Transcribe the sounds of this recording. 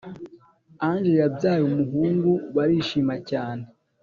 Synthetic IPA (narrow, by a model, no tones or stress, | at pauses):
anʒejabjaːjumuɦuːŋɡuβaɾiːʃiːmacaːne